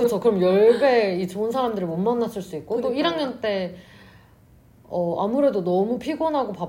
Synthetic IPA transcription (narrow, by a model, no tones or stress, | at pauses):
ɯt͡ɕʰʌkɯɾʌmjʌɭbe̞it͡ɕoɯnsʰaɾamdɯɾimonmanːas͈ɯɭs͈uik̚k͈ot͈oiɾaŋɲʌnt͈e̞ | ʌa̰muɾe̞donʌmupʰiɡonɦaɡopa